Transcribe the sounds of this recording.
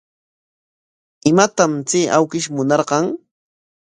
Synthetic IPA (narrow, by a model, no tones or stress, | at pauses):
ɪmat̪amt͡siːʔawkɪʃmʊnɑɾɢɑŋ